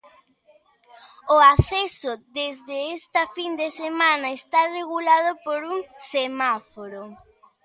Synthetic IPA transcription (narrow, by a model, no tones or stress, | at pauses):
ʊaθesʊðezðeest̪ɐfind̪esemanɐest̪areɣulað̞opoɾuŋsemafoɾo